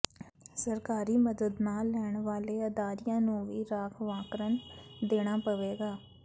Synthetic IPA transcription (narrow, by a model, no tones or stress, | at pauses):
səɾkaːɾiːməd̪əd̪naːlːɛːɳʋaːleːəd̪aːɾɪjãːnũːʋiːɾaːkʰʋaːkɾənd̪eːɽ̃aːpəʋeːɡaː